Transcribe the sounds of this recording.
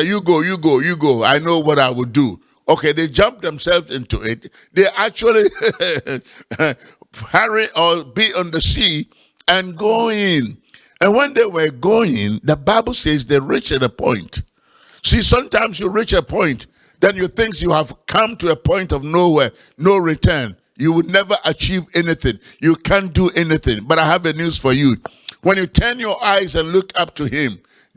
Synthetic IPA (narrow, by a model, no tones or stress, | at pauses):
juɡojɨɡojɨɡoʊa̰ɪnoʊwʌɾaɪwɨdu | okeðeɪd͡ʒʌ̃mp̚ðɛ̃msɛlˠvɪ̃ntuɪt̚ | ðeɪʔæk̚t͡ʃul̩ˠi | hɛɹiʔəbiə̃nðəsi | ɨ̃nɡoɪ̃n | ɨ̃nwɛ̃nðeɪwə˞ɡoɪ̃ŋðəbaɪbl̩ˠsezðeɪɹit͡ʃɨtəpʰɔ̰̃ɪ̃nt | sisʌ̃mtãɪ̃mzjuɹit͡ʃəpʰɔ̃ɪ̃nt | ðɨ̃njəθɪ̃ŋksjuəv̥kʰʌ̃mtuəpʰɔ̃ɪ̃ntʌvnowɛ | nːoʊɹitʰɜ̃˞n | juwɪdnɛvə˞ʔət͡ʃʰivɛniθɪ̃ŋ | jukʰæ̃nduʔɛniθɪ̰̃ŋbʌɾaɪəvɨnjuz̥fə˞ju | wɛ̃njɨtʰɜ̃˞njə˞ʔaɪzɨ̃nlʊkʰʌp̚tʰuɪ̃m